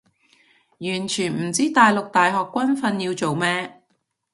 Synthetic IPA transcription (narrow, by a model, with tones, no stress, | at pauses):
jyː˨˩nt͡ʃʰyː˨˩nm̩˨˩t͡siː˥t̪aː˨jlʊ˨k̚t̪aː˨jɦɔː˨kːʷɐ˥nfɐ˧njiː˧wt͡so˨wmɛː˥